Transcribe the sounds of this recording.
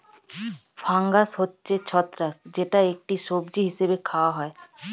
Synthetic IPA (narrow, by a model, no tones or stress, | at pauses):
faŋɡasɦotːɕʰet͡ɕʰɔt̪ːɾakd͡ʑeʈaek̚ʈiʃobd͡ʑiɦiʃebekʰaoaɦɔe